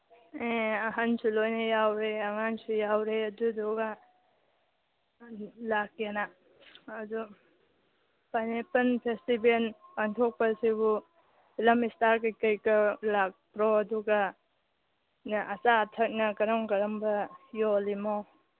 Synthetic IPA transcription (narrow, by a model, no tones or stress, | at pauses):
eɐɦansulojnɐjawɾeɐŋansujawɾeɐduduɡa | lak̚anaː | du | pajnepɐnpʰestibenpaŋtʰok̚pɐsibu | lɐmistaɾkikɐjkɐlak̚pɾɔɐduɡɐ | nʔɐsaːtʰɐk̚nɐkɐɾɔŋkɐɾɐmbɐjolimow